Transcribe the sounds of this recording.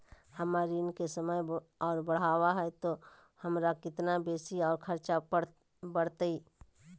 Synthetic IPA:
hɐmaːɾiʊnkesəməjɔːɾbəɽ̤aːwaɦɛt̪o | hɐmɾakɪt̪nabeːsiɔːɾkʰəɾt͡ʃa | bəɽ̤t̪iː

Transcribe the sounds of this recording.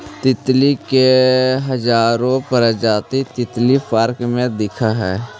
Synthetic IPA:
t̪ɪt̪likeɦəd͡ʒaːɾõpəɾəd͡ʒaːt̪it̪ɪt̪lipəɾkmẽd̪ɪkʰaɦɛː

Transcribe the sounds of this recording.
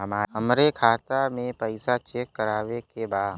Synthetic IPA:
ɦəmaːɦəmɾekʰaːt̪amẽpəɪsat͡ʃeːkːəɾaːʋekebaːd̪

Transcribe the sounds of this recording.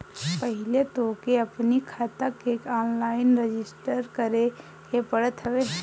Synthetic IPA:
pəɦɪlet̪okeɐpnikʰaːt̪akeːkɔːnlaːɪnɾed͡ʒɪsʈəɾkəɾe | kepəɽət̪ɦəʋe

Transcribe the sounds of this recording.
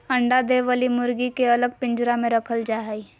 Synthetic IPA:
ɐ̃ɳɖad̪eʋəlimʊɾɡikeɐləɡ̚pɪ̃ɲd͡ʒɾamẽɾɐkʰəld͡ʒaːɦi

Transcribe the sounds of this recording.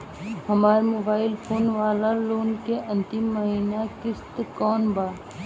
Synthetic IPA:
hɐmaːɾemoːbaːɪlpʰoːnʋaːlaloːnkeɐ̃nt̪ɪmːəɦiːnakɪst̪kɔːnbaː

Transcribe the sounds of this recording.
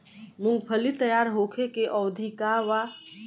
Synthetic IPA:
mʊ̃ŋɡpʰəlit̪əjaːɾɦoːkʰekeʔɔːʋd̪ʱikaʋa

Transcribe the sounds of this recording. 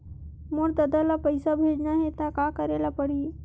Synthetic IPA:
muɽt̪əd̪alapəjsabʱed͡ʒnaɦet̪akakəɾalapəɽi

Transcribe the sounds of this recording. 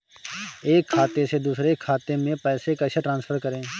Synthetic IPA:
eːkʰːaːt̪esed̪uːsɾekʰːaːt̪emẽpɛːsekaʃʰeʈɾãːnspʰəɾkəɾẽː

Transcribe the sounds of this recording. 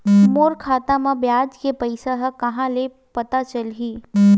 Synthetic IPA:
moːɾkʰaːt̪amãbjaːd͡ʒkepəɪsaɦkɐɦãle | pɐt̪at͡ʃɐlɦiː

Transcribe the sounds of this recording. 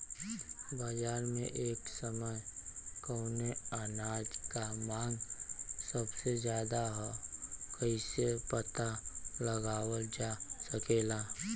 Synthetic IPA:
baːd͡ʒaːɾmḛ̃ʔeːksəməjkəːneaːnaːd͡ʒkamãːŋɡsəbsezjaːd̪aɦokəisepət̪aləɡaːwəld͡ʒasəkelaː

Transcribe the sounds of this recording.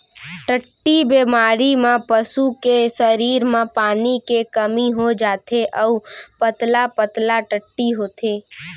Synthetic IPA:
ʈəʈːibeːmaːɾimẽpəsukesəɾiːɾmẽpaːnikekəmiɦod͡ʒaːt̪eʔɔʊpət̪lapət̪laʈəʈːiɦoːt̪eː

